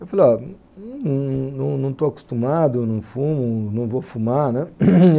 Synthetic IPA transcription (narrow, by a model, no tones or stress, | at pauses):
ewfalɔ | nɐ̃ñnɐ̃w̃nɐ̃w̃t̪oaku̥st̪umad̪ʊenɐ̃w̃fũmʊnɐ̃w̃vofumaɾnɛ̃